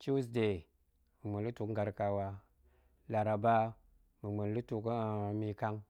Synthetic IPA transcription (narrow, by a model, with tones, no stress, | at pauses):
t͡ʃi˦s̬de˨ | mi˨mə˨lu˦tu˨kŋ˦ɡa˨ɾka˨wa˨ | la˨ɾa˨ba˦ | mə˨ŋ͡mə˨nlu˦tu˨kmi˧ka˦ŋ